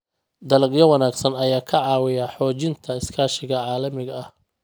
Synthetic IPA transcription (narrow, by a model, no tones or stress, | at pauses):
d̪ɐlɐɡjɐwɑnaːɡsɐnɐjaːkʰɐʕɑːwɪjaħɔːt͡ʃɪnt̪ʰɐɪskʰaːʃɪɣɐʕɑːlɐmɪɣɐɐh